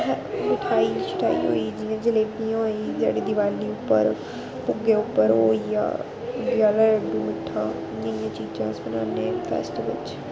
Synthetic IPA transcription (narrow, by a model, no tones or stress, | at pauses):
ɦɦɪʈʰaːit͡ʃɪ̥ʈʰa̰ːḭɦo̰ːid͡ʒiãːd͡ʒəleːʈĩɦoːiːd͡ʒa̰ːɽid̪ɪʋaːliʊpːəɾ | pʊɡeʊpːəɾɦoːija̰ː | d̪ɪʋaːlaɖuɪʈʰaː | nəijãːt͡ʃiːd͡ʒãːsbənaːnẽːpɛ̰ːsʈʋɪ̰t͡ʃ